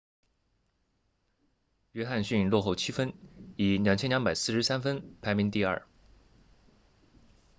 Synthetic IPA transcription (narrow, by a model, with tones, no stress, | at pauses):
ɥɛ˥xa˥˧nɕy˥˩˧nlwɔ˥˧xo˥˩ʊt͡ɕʰi˥fə˥ni˨˩ljɑ˨˩ŋt͡ɕʰɛ˥nljɑ˧˥ŋpa˨˩ɪsɹ̩˥˩ʂɻ̩˧˥sa˥nfə˥npʰa˧˥ɪmi˧˥ŋt̪i˥˧ɐ̰˞˥˩